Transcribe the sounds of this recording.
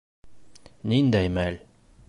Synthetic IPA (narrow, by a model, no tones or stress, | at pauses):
nind̪æjmæl